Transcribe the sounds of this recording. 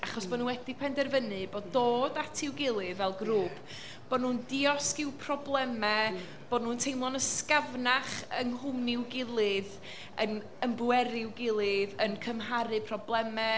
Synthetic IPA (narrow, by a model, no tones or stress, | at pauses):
aχɔsb̥ɔnunwɛdipʰɛndɛrvənɨboːddoːdatʰɪwɡɪlˠɨðvɛlˠɡruːpʰ | b̥ɔdnuːndɪɔskɪwpʰrɔblˠɛmɛ | b̥ɔdnuːntʰejmlˠɔnəskavnaχənɦʊmnɪwɡɪlˠɨð | ən | əmbwɛɾɪwɡɪlˠɨðənkʰəmɦaɾɨpʰrɔblˠɛmɛ